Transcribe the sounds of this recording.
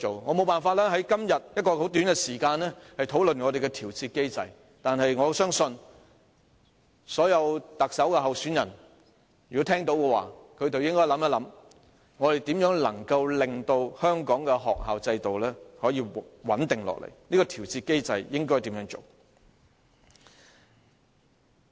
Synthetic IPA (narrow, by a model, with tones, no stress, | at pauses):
o˨wŋɔː˨˧mo˨˧wpaː˨nfaː˧t̚lɛː˥ɦɐ˨˥jkɐ˥mjɐ˨t̚jɐ˥t̚kɔː˧ho˨˥wt̪yː˨˥nkɛ˧siː˨˩kaː˧nlɛː˥hɐ˨jt̪ʰo˨˥wlɵ˨nŋɔ˨˧ɾe˨jkɛ˧t̪ʰiː˨˩wt͡sʰiː˧t̚ke˥jt͡sɐ˧j | t̪aː˨nɦɐ˨jŋɔː˨˧sœː˥ŋsɵ˧n | sɔː˨˥jɐ˨˧wt̪ɐ˨k̚sɐ˨˥wkɛː˧ɦɐ˨wsyː˨˥njɐ˨˩n | jkɔ˨˥t̪ʰɛː˥ŋt̪o˨˥wkɛ˧wa̰ː˨kʰɵ˨˧t̪o˨wjɪ˥ŋkɔː˥jlɐ˨˥mɐ˦˥lɐ˨˥m | ŋɔː˨˧ɾe˨jt̪iː˨˥mjœː˨˥ŋlɐ̰˨˩ŋkɐ˧wlɪ˨ŋt̪o˧whœː˥ŋkɔː˨˥ŋkɛ˧ɦɔː˨k̚haː˨wt͡sɐ˧jt̪o˨wlɛː˥hɔː˨˥jiː˧wɐ˨˥nt̪ɪ˨ŋlɔ̰˨k̚lḛ˨˩jniː˥kɔː˧t̪ʰi˨˩wt͡siː˧t̚ke˥jt͡sɐ˨˧jjɪ˥ŋkɔː˥jt̪i˨˥mjœː˧˥ŋt͡so̰˨˩w